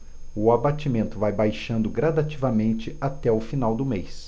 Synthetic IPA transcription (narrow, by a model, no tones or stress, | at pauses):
ʊabat͡ʃimẽnt̪ʊvajbajʃɐ̃nd̪ʊɡɾad̪at͡ʃivɐmẽnt͡ʃɪʔat̪ɛʊfinawd̪ʊmejs